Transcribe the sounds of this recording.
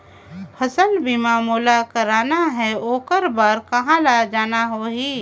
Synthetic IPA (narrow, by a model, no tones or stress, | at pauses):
pʰɐsəlbʱimaːmuːlakəɾaːnaɦɛoːkəɾbaːɾkɐɦãlad͡ʒaːnaɦoɦiː